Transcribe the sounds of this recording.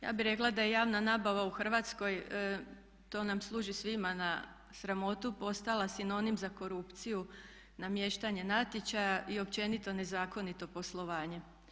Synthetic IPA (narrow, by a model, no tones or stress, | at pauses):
ja̰ːbiɾe̞klˠad̪aje̞jaːʋnanaːbaʋauxr̩ʋaːt̪sko̞j | t̪o̞ːnamslˠuːʒisʋimana | sɾamo̞t̪upo̞st̪alˠasino̞nimzako̞ɾupt̪siju | namje̞ʃt̪aɲe̞nat̪jet͡ɕajaʔio̞pt͡ɕe̞nit̪o̞ne̞zaːko̞nit̪o̞po̞slˠo̞ʋaːɲe̞